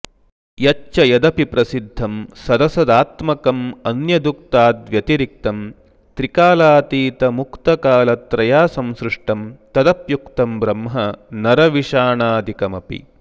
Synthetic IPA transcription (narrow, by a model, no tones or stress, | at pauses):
jɐt͡ʃːt͡ʃɐjɐd̪ɐpipɾɐsid̪ʱːɐmsɐd̪ɐsɐd̪aːt̪mɐkɐmɐnjɐd̪uk̚t̪aːd̪ʋjɐt̪iɾik̚t̪ɐm | t̪ɾikaːlaːt̪iːt̪ɐmukt̪ɐkaːlɐt̪ɾɐjaːsɐmsɾɪʂʈɐmt̪ɐd̪ɐpjukt̪ɐmbɾɐmɦɐnɐɾɐʋiʂaːɳaːd̪ikɐmɐpḭ